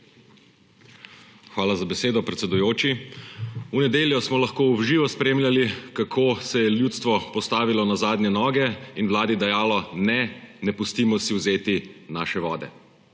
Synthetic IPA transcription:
xʋaːlazabɛseːd̪ɔpɾɛt̪sɛd̪ujoːt͡ʃi | unɛd̪eːljɔsmɔlaxkoːɔbʒiːʋɔspɾeːmlʲjalikakʰoːsɛjɛljuːt̪st̪ʋɔpɔst̪aːʋilɔnazaːd̪nɲɛnɔːɡɛinwlaːd̪id̪ɛjaːlɔnɛnɛpust̪iːmɔsiwzeːt̪inaːʃɛʋɔːd̪ɛ̰

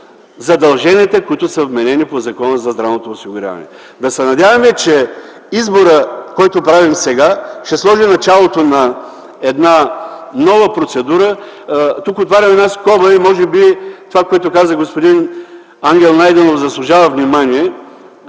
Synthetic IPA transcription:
zɐd̪ɐlˠʒɛniːt̪ɛkʊit̪ʊsɐvmɛnɛnipozɐkɔnəzɐzd̪ɾavnot̪oːsiɡʊɾʲa̰vɐ̰nɛ̰ | d̪ɐsɛnɐd̪ʲavɐmɛt͡ʃɛ | izboɾəkɔjt̪opɾavimsɛɡaʃt̪ɛslˠɔʒinɐt͡ʃalˠot̪onɐ | ɛd̪nanɔvəpɾot̪sɛd̪uɾə | t̪ukot̪vaɾʲɐmɛd̪naskɔbəimɔʒɛbit̪ovakoɛt̪ʊkazəɡospod̪in | aŋɡʲɛlˠnajd̪ɛnofzɐslˠʊʒavɐvnimaniɛ

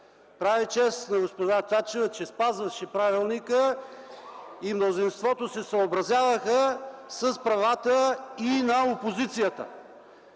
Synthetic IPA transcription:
pɾavit͡ʃɛst̪nɐɡospoʒat̪at͡ʃɛvət͡ʃɛspazvɐʃɛpɾavilˠnikə | imnozinst̪vɔt̪osɛsəobɾɐzʲjavəxəsəspɾɐvat̪əinɐopozit̪sijət̪ə̰

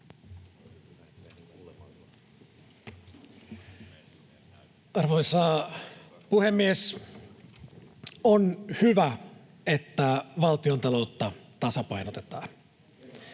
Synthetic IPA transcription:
ɑrʋojsɑ | puhemːies | onhyʋæ | et̪ːæʋɑlt̪iont̪ɑlo̞ut̪ːɑt̪ɑsɑpɑjnot̪e̥t̪ɑːn

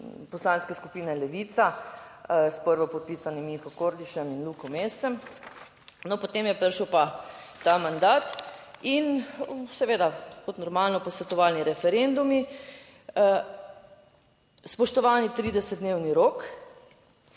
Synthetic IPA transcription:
pɔslanskɛskupiːnɛlɛʋit̪sa | spəɾʋɔpɔt̪̚piːsanimixɔkoɾd̪iʃɛminlukɔmest̪sɛm | nɔpot̪eːmjɛpəɾʃəwpat̪amand̪aːt̪insɛʋeːd̪akɔt̪nɔɾmalnɔpɔsʋɛt̪ɔʋaːlniɾɛfɛɾend̪umi | spɔʃt̪ɔʋaːnit̪ɾiːd̪ɛsɛt̪d̪neːwniɾok

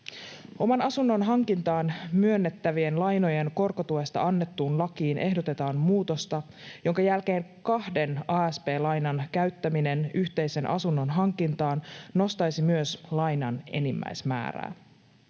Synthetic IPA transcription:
o̞mɑnɑsunːo̞nɦɑŋkint̪ɑːnmyønːe̞t̪ːæʋie̞nlɑjno̞je̞nko̞rkot̪uest̪ɑ̰ɑnːe̞t̪ːuːnlɑkiːnʔe̞ɦdo̞t̪e̞t̪ɑːmmuːt̪o̞st̪ɑ | jo̞ŋkɑjælke̞ːŋkɑhde̞nɑːæspe̞ːlɑjnɑnkæɥt̪ːæmine̞nyçt̪e̞jse̞nʔɑ̰sunːo̞nɦɑŋkint̪ɑːnːo̞st̪ɑjsimyøslɑjnɑne̞̰nimːæ̰jsmæ̰ːɾæ̰ː

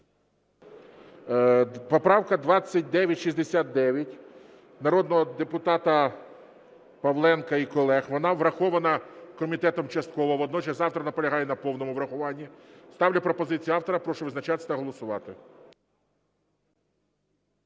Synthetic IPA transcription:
pɔpɾɑwkɐd̪ʋɑt͡sʲːɐt̚ʲd̪ɛʋʲjɐtʲʃizʲd̪esʲat̪̚d̪ɛʋʲjɐtʲ | nɐɾɔd̪̚nɔɦɔd̪epʊt̪ɑt̪ɐ | pɐʋlˠɛnkɐikɔlˠɛxʋɔnɑʋɾɐxɔʋɐnɐkɔmʲit̪ɛt̪ɔmt͡ʃɐst̪kɔʋɔʋɔd̪nɔt͡ʃɐsʲzɑwt̪ɾɐnɐpɔlʲɐɦɑjɛnɐpɔwnɔmʊʋɾɐxʊʋɑnʲːist̪ɑwlʲɐpɾɔpɔzɪt͡sʲijɑwt̪ɔɾɐpɾɔʃʊʋɪznɐt͡ʃɑt̪ɪsʲnɐɦɔlˠɔsʊʋɑt̪ɪ

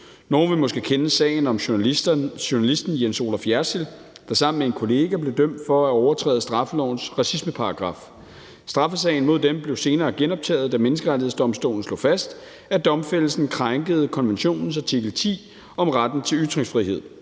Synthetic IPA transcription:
no̝ːnʋemɒ̽sɡ̥əkʰenəsɛ̰ːɪn̩ɒ̽m | ɕonælisd̥n̩jenso̝ːlɑfjæɐsel | d̥ɑ̈sɑ̈m̰n̩mee̝nkʰo̝le̝ːɡ̥æble̝d̥øm̰d̥fɒ̽æɒʊɐt͡sʰʁɛ̰ːð̩ˠsd̥ʁɑ̈fəlɒ̰ʊn̩sʁɑ̈sisməpʰɑ̈ɑɡ̥ʁɑ̈f | sd̥ʁɑ̈fəsɛ̰ɪn̩mo̝ð̞̰ˠd̥emb̥le̝ʊse̝ːnɐːɡ̥enɒ̽b̥̚t͡sʰɛ̰ːð̩ˠd̥æmenəsɡ̥əʁädiesd̥ɒ̽msd̥o̝̰ːln̩slɔ̰ːfæsd̥ | æd̥ɒ̽mfel̰əsn̩kʰʁaŋɡ̥əð̞̩ˠkʰɒ̽nʋenɕo̝̰ːnn̩sɑ̈t͡sʰiɡ̥l̩t͡sʰḭː | ɒ̽mʁad̥n̩t͡sʰe̝lyt͡sʁeŋsfʁihe̝ð̰ˠ

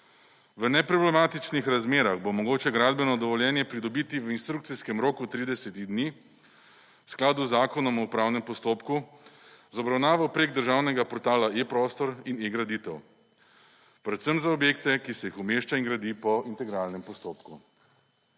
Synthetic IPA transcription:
ʋənɛpɾɔblɛmaːt̪it͡ʃnixɾazmeːɾaɣbomɔɡoːt͡ʃɛɡɾaːd̪bɛnɔd̪ɔʋɔljɛːnjɛpɾid̪ɔbit̪iʋəinst̪ɾuk̚t̪siskɛmɾoːkut̪ɾiːd̪ɛsɛt̪iɣd̪ni | sklaːd̪uzːaːkɔnɔmɔpɾaːwnɛmpɔst̪oːpku | zɔbɾawnaːʋawpɾeːɡ̚d̪əɾʒawnɛɡapɔɾt̪aːlaepɾɔst̪ɔɾineɡɾad̪it̪ɛw | pɾɛt̪səmzaɔbjeːkt̪ɛkisɛjixumeʃt͡ʃaiŋɡɾad̪iːpɔint̪ɛɡɾaːlnɛmpɔst̪oːpku

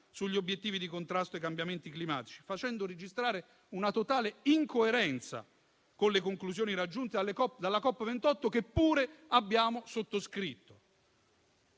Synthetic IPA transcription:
suʎːiobjet̪ːiːvid̪ikont̪ɾast̪oekːambjament̪iklimaːt̪i̥t͡ʃi̥fat͡ʃɛnd̪oɾed͡ʒist̪ɾaːɾe | unat̪ot̪aːleiŋkoeɾɛnt̪sa̰ | konlekoŋkluzjoːniɾad͡ʒːunt̪ed̪alkɔd̪alːakɔpːvent̪ɔt̪ːokepːuːɾeabːjaːmosot̪ːoskɾit̪ːo̥

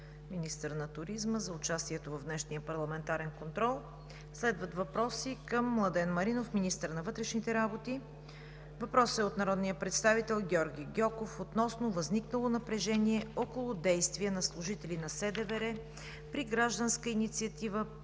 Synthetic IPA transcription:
minist̪əɾnɐt̪ʊɾizməzɐʊt͡ʃast̪iɛt̪ovɐvdnɛʃnijəpɐɾlˠɐmɛnt̪aɾɛnkont̪ɾɔlˠ | slɛd̪vət̪vɐpɾɔsikəmːlˠɐd̪ɛnmɐɾinofminist̪əɾnɐvɤt̪ɾɛʃnit̪ɛɾabot̪i | vɐpɾɔsɛot̪nɐɾɔd̪nijəpɾɛt̪st̪avit̪ɛlˠɡʲɔɾɡʲiɡʲɔkofot̪nɔsnovɐzniknəlˠonɐpɾɛʒɛniɛɔkolˠʊd̪ɛjst̪viənɐslˠʊʒit̪ɛlinɐsɛd̪ɛvɛɾɛ | pɾiɡɾaʒd̪ənskəinit̪siət̪ivə

